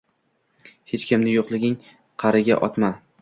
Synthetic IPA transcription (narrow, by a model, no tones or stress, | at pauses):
het͡ʃkʲɪmnɪjoqlˠɪɡʲɪŋ | qʰɑɾɪɡʲa̰ʔɒt̪ma